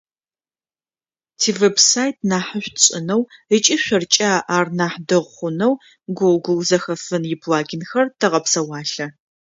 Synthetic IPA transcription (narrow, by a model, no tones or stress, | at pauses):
tʰiːvebsaːjtʰnaːħəɕʷtɕʼɪnɐwət͡ʃʼiɕʷɐrt͡ʃʼaːʔaːrnaːħdɨʁχʷʊnɐw | ɡʷolɡʷʊwzɐxɐfɨnjɪbʰlaːɡʲɪnxɐrtʰɐʁɐpsɐwɑːɬɐ